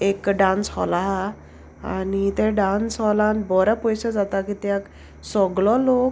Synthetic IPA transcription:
ekɖãnsɦɔlaɦ | anit̪ɛ̃ɖansɦɔlãnt̪bɔɾapɔjsəd͡zat̪akit̪jak | sɔɡɭɔlok

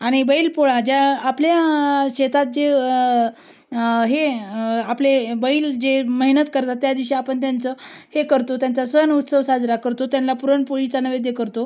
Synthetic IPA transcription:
aɽ̃ibəilpoɭad͡ʑjaːpljaɕet̪at̪̚d͡ʑe | ɦeaplebəiːld͡ʑeməɦinət̪kəɾt̪at̪ːjad̪iʋʂiapəɳt̪jant͡səhekəɾt̪ot̪jant͡sasənut̪səʋsad͡zɾakəɾt̪ot̪janlapuɾəɳpoɭit͡sanəʋed̪jekəɾt̪o

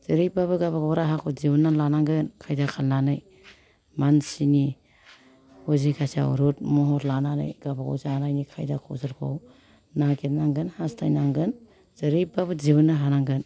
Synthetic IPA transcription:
z̥ɯɾibabɯɡabaɡawɾaɦakʰɔzibunːalanaŋɡɯnkʰajdakʰalnanɯj | mansini | hozikʰasa̰ɾut̚mɔɦɔtlananɯ̰jɡabaɡa̰wzanajnikʰajdakʰo̰sɯɾkʰo̰w | naketnaŋɡɯnhastʰajnaŋɡɯn | zɯɾibabɯd͡ʒibɯnːaɦanaŋɡɯn

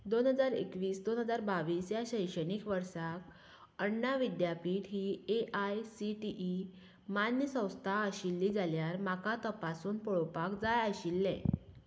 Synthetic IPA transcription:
d̪onɦəd͡zaɾḛkʋiːsd̪onɦəd͡zaɾbaʋiːsjaɕəjʂəɽiːkʋəɾsak | əɳːaʋid̪japiʈɦiːeʔajsiʈiʔi | manjəsə̃w̃st̪ʰaəɕilːiːd͡zaljaɾmakat̪əpasuːnpɔɭopakd͡zajaɕilːɛ̰̃

